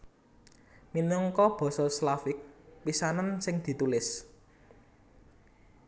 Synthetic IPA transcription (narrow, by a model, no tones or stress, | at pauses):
minɔŋkɔb̥ɔ̤sɔslafɪk̚pisanansɪŋd̪̥i̤t̪ulɪs